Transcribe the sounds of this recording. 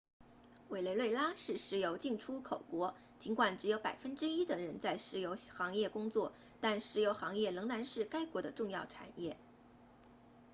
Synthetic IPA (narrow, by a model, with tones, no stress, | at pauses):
we˨˩ɪle˧ɪlwe˥˩ɪla˥ʂɻ̩˥˩ʂɻ̩˧˥jo˧˥ʊt͡ɕi˥˩ŋʈ͡ʂʰu˥kʰo˨˩ʊkwɔ˧˥ | t͡ɕi˧˥nkwa˨˩nʈ͡ʂɻ̩˧˥jo˧˥ʊpa̰˨˩ɪfə˥nʈ͡ʂɻ̩˥i˥d̪ə˨ɻə˧˥nt͡sa˥˩ɪʂɻ̩˧˥jo˧˥ʊxɑ˧˥ŋjɛ˥˩kʊ˥ŋt͡swɔ˥˩ | t̪a˥˩nʂɻ̩˧˥jo˧˥ʊxɑ˧˥ŋjɛ˥˩lɤ˧˥ŋna˧˥nʂɻ̩˥˩ka˥ɪkwɔ˧˥d̪ə˧ʈ͡ʂʊ˥˧ŋjɑ˥˩ʊʈ͡ʂʰa̰˨˩njɛ˥˩